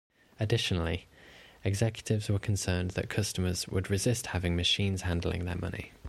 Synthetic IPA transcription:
ədɪʃənəl̩iɛɡzɛkjətɪvzwəkʰə̃nsɜːnðə̰ʔkʰʌstəməzwə̰dɹɪzɪsthavɪ̃ŋməʃĩːnz̥hãndˡl̩ɪ̰̃ŋðə̰mʌ̰nḭ

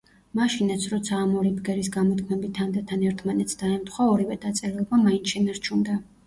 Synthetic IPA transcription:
maʃinat̪sʰɾɔt̪sʰaːmɔɾibɡɛɾisɡamɔt̪kʰmɛbit̪ʰamd̪ɛt̪ʰːanɛɾt̪ʰmanɛt̪sʰd̪̥aɛmt̪ʰχwaɔɾivɛd̪at̪sʼɛɾɛlˠɔbamainʃɛnaɾt͡ʃʰund̪a

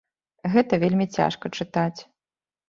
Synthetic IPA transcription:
ɣɛt̪ɐvʲelʲmʲit͡sʲa̰ʂkɐt͡ʂɨt̪at͡sʲ

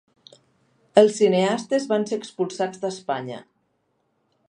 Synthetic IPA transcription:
əlˠsːineast̪ezβanseəkspulˠsad͡zd̪əspaɲə̰

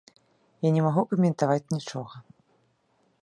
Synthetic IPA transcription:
janʲɛmaɣukɐmʲɛnt̪avat͡sʲnʲit͡ʂɔɣɐ

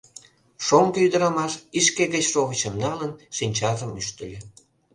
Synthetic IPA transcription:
ʃoŋɡəyd̪əɾɑmɑʃiʃkeɣət͡ɕʃoɣət͡ɕəmnɑlənʃinʲt͡ɕɑʒəmyʃt̪ə̆lʲĕ

